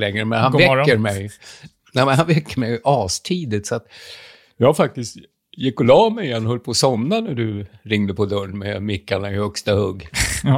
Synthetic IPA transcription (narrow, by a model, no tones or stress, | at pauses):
lɛŋɾəmɛnhanvɛɔkːəɾmɛj | nɛmɛnɦanvɛkːəɾmɛjʔɑːst̪ʰiːd̪ɪt̪sɔat̪ | jɑhaɾfak̚t̪ɪst̪ | jɪkːɔlɑːmɛjhanhœlpʰoːsɔmnanæɖɵɾɪŋd̪əpʰɔd̪œːɳmɛnɛmɪkːanahœkst̪ahɵɡː